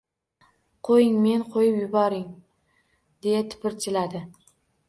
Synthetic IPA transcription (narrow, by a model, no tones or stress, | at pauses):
qʰojɪŋme̞nqʰojɪpjʊbɒɾɪŋ | d̪̥e̞jat̪ʰɪ̥pɪɾt͡ʃ̪ʰɪlad̪ɪ